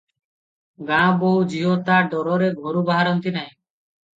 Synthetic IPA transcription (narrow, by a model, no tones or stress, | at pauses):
ɡãboɦud͡ʒiɦot̪aɖɔɾɔɾeɡʱoɾubaɦaɾɔnt̪inaɦĩ